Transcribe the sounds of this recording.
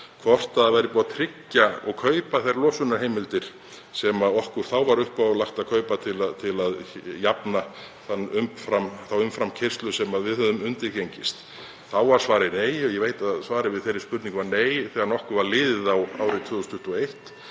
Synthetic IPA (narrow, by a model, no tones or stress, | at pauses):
kʰvɔr̥t̪aðavɛjɾɪpuɣat̪ʰɾɪcːaɔ̰ɣkʰœːɥpaθejɾlɔːsʏnaɾhejmɪlt̪ɪɾ̥ | sɛmaðɔhkʏɾ̥θawvaɾʏhpalaxt̪aðkʰœːɥpat̪ʰɪlaðt̪ʰɪlaðjapna | θanːʏmfɾamθawʏmfɾamcʰɪr̥st̪lʏsɛmaðvɪðhœðʏmʏnt̪ɪɾceɲcɪst̪ | θawvaɾ̥svaːɾɪneːjɔjɛveːjt̪aðsvaːɾɪvɪðθejɾɪ̥ɾspʏɾt̪niŋkvaɾneːjθɛːɣaɾnɔhkʏɾvaɾlɪːðɪðawaːwɾɪt̪ʰv̥ʏːðɔst̪ʰʏht̪ɔejht̪